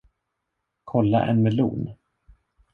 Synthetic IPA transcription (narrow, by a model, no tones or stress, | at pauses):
kʰɔlːa̰ʔɛ̰nmɛlṵːn